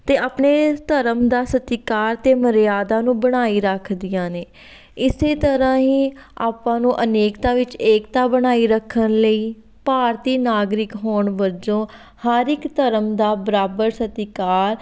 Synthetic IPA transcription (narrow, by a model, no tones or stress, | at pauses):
t̪eːaːpɳeːt̪əɾəmd̪aːsət̪ikaːɾt̪eːməɾjaːd̪ãːnũːbəɽ̃aːiːɾəkʰd̪ɪjãːneː | ɪseːt̪əɾãːɦiːa̰ːpãːnũːʔəneːkt̪aːʋɪt͡ʃeːkt̪aːbəɽ̃aːiːɾəkʰːənləiː | paːɾt̪iːnaːɡɾɪkɦoːɳʋəd͡ʒõː | haːɾɪkt̪əɾəmd̪aːbəɾaːbəɾsət̪ikaːɾ